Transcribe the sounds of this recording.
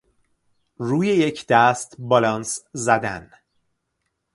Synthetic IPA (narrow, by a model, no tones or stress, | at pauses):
ruːjejecʰd̪̥æst̪bɒlɒːnszæd̪æn